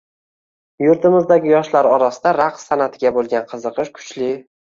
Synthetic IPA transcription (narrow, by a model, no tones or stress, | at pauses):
jʊɾt̪ʰɪmɪzd̪aɡʲɪjɒʃlaɾɒɾasɪd̪aɾaqsanat̪ʰɪɡʲabolˠɡʲanqʰɨzɨqɨʃkʰʊ̥t͡ʃlɪ